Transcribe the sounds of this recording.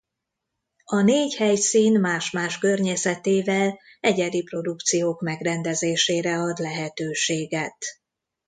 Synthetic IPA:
ɒneːɟhɛjsiːnmaːʃmaːʃkø̞rɲɛsɛt̪eːvɛl | ɛɟɛɾipro̞d̪ukt̪sijoːkmɛɡrɛnd̪ɛzeːʃeːɾɛɒd̪lɛɦɛt̪øːʃeːɡɛt̪

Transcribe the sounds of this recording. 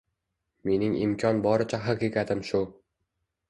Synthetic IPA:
me̞nɪŋɪ̰mkʲʰɒnbɒɾɪt͡ʃʰaɦaqikʲad̪ɪmʃʊ

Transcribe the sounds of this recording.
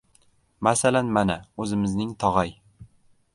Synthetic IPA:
masalanmanaɵzɪmɪznɪŋt̪ʰɒʁaj

